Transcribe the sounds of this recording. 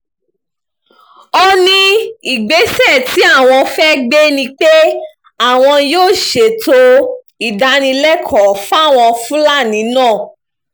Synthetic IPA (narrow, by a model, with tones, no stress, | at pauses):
ɔ˧nĩ˧i˨ɡ͡be˨˦sɛ˦˨ti˨˦a˦˨w̃ɔ̃˧fɛ˦ɡ͡be˦nĩ˧k͡pe˦ | a˦˨w̃ɔ̃˧joː˦˨ʃe˨to˧ | i˨da˨˧˦nĩ˧lɛ˦kʰɔ˨fa˦˨w̃ɔ̃˧fũ˦la˦˨nĩ˨˦nãː˦˨